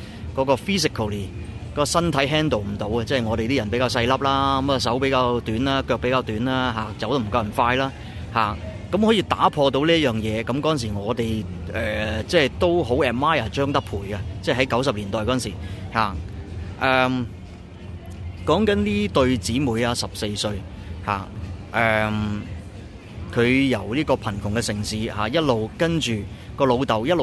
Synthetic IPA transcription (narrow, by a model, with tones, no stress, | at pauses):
kɔː˨˥kɔː˧fiː˥s̬ɪ˨kʰɐ˨˩li˨˩kɔː˧sɐ˥nt̪ʰɐ˨˥jɦɛː˥nt̪o˨wm̩˨˩t̪o˨˥wɐ˧t͡sɛː˥˨jŋɔː˨˧t̪e˨t̪iː˥jɐ˨˩npe˨˥jkaː˧wsɐ˧jlɐ˥p̚laː˥˧˥m˨˧sɐ˨˥wpe˨˥jkaː˧wt̪yː˨˥nlaː˥kœː˧k̚pe˨˥jkaː˧wt̪yː˨˥nlaː˥ɦaː˨t͡sɐ˨˥wt̪o˧˩m̩˨˩kɐ˧wm̩˨˩faː˧jlaː˥ | haː˨˩kɐ˨˥mhɔː˨˥jiː˧t̪aː˨˥pʰɔː˧t̪o˧˥wliː˥ɐ˥t̚jœː˨˩ŋjɛː˨˧kɐ˨˥mkɔː˧˥ɐ˨ns̬iː˨˩ŋɔː˨˧t̪e˨j | ʔɛː˨t͡sɛː˥˩jt̪o˥wɦo˨˥wɛː˨maː˥ja˨˩t͡ʃœː˥ŋt̪ɐ˥k̚pʰuː˨˩jka˧t͡sɛː˥˩ɦɐ˨˥jkɐ˨˥ws̬ɐ˨p̚liː˨˩nt̪ɔː˨jkɔ˨˥˨nsiː˨˩haː˨˩ʔɛː˨˩m | kɔː˨˥ŋkɐ˨˥nliː˥t̪ɵ˧ɥt͡siː˨˥muː˨˧jaː˧sɐ˨p̚se˧jsɵ˧ɥ | ha̰ː˨˩ʔɛː˨m | kʰɵ˨˧ɥjɐ˨˩wliː˥kɔː˧pʰɐ˨˩nkʰʊ˨˩ŋkɛ˧sɪ˨˩ŋsiː˨˧haː˨˧jɐ˥t̚lo˨wkɐ˥nt͡ʃyː˨ | kɔː˧lo˨˧wt̪ɐ˨˩wjɐ˥t̚lo˨